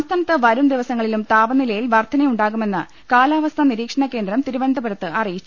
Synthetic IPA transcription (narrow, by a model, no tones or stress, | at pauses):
mst̪ʰaːnɐt̪ːɐʋɐɾumd̪iʋɐsɐŋːɐɭilumt̪aːʋɐnilɐjilʋɐrt̪ʰɐnɐjuɳɖaːɣume̞nːɨ | kaːlaːʋɐst̪ʰɐniɾiːkʂɐɳɐkːe̞ːnd̪ɾɐmt̪iɾubɐnd̪ʱɐbɐɾɐt̪ːɨʔɐrijit͡ɕːu